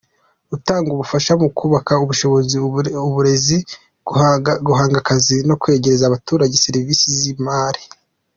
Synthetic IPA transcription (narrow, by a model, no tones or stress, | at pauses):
utaːŋɡuβufaʃamukʰuːβakauβuʃo̞βo̞ziuβuɾezi | ɡuɦaːŋɡakazino̞kwe̞ːɟe̞ɾezaβatuːɾaɟe̞seɾiviːsizimaːɾi